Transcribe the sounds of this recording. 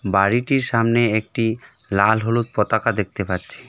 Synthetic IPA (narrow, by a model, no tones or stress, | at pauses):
baɽiʈiɾʃamneek̚ʈi | lalɦolut̪̚pɔt̪akad̪ek̚t̪epatːt͡ɕʰi̥